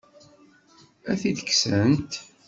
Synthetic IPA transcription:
æθid̪ə̥kːsənt̪

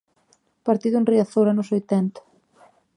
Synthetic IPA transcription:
paɾt̪iðʊenriaθowɾanʊsojt̪ɛnt̪ḁ

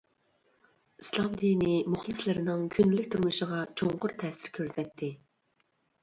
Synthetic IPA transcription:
islˠɑmd̪inɪmʊχlˠɨslɪɾɪnɪŋkʲʰynɪlyk̚ʲt̪ʰyɾmuʃəʁɑt͡ʃʰoɴqʊɾt̪ʰɛːsɪɾkʲʰøɾsɛt̪ʰːɪ

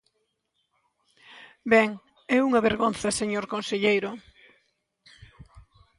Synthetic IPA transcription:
bɛŋ | ɛuŋɐβeɾɣonθɐseɲoɾkonseʎejɾʊ

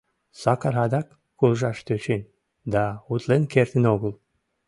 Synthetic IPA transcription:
sɑkɑɾɦɑd̪ɑkːulˠʒɑʃt̪øt͡ɕenʲ | d̪ɑut̪lenkert̪ənoɣəl

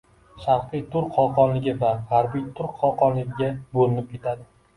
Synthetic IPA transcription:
ʃaɾqɨjt̪ʰʊɾqʰɒqɒnlɪɡʲɪvahaɾbijt̪ʰʊɾqʰɒqʰɒnlɪɡʲɪɡʲabolɪnɪp̚kʰʲe̞t̪ʰad̪ɪ

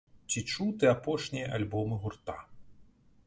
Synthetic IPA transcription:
t͡sʲit͡ʂut̪ɛapɔʂnʲijɐʔalʲbɔmɨɣurt̪a

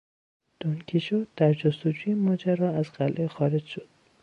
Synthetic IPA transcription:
d̪̥onkʰiʃoːd̪̥æɾd͡ʒost̪od͡ʒuːjemɒːd͡ʒæɾɒːæzɢ̥ælʔexɒːɾe̞d͡ʒʃod̪̥

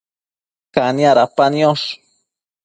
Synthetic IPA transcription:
kanjaɾapanioʂ

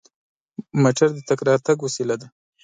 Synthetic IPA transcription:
maʈaɾd̪ət̪akɾɑɾt̪aɡwasilad̪a

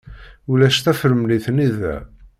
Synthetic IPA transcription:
ulæʃθæfəɾəmliθniðæ̰

